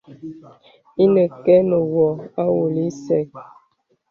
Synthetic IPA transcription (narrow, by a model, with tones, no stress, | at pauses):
i˦nə˨kɛ˦mə˨wɔ˨a˦wo˨li˦sɛ˨k